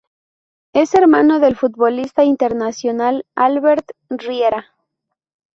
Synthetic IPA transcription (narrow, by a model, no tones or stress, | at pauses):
e̞se̞ɾmãno̞ðe̞lfut̪̚βo̞list̪aint̪e̞ɾnasjonalalβe̞ɾt̪rjeɾa